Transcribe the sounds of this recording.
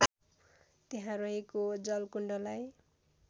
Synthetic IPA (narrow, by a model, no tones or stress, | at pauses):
t̪eɦãɾʌɦekod͡zʌlkuɳɖʌlaj